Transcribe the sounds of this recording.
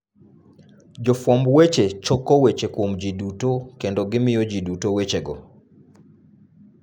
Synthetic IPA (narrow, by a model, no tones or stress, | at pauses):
d͡ʒɔfwɔmbwet͡ʃet͡ʃɔkɔwet͡ʃekomd͡ʒidutokendɔɡɪmɪjɔd͡ʒidutowet͡ʃeɡɔ